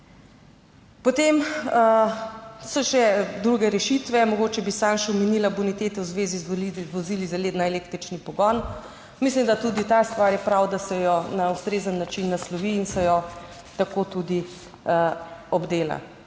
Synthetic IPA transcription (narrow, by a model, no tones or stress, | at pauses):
pot̪em | sɔʃɛd̪ɾuɡɛɾɛʃit̪ʋɛmɔɡot͡ʃɛbisanʃɛwmɛnilabunit̪eːt̪ɛwzʋeːzizizʋozilizaleːd̪naeleːkt̪ɾit͡ʃnipɔɡɔn | mislimd̪at̪uːd̪it̪ast̪ʋaɾjɛpɾawd̪asɛjɔnaust̪ɾeːzənːat͡ʃinːaslɔʋiːnsɛjɔ | t̪akot̪ud̪i | ɔbd̪eːla̰